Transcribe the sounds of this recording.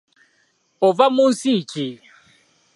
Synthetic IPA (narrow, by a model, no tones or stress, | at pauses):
ɔvamunsit͡ʃi